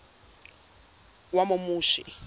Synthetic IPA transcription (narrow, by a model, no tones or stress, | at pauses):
wamumuːʃḭ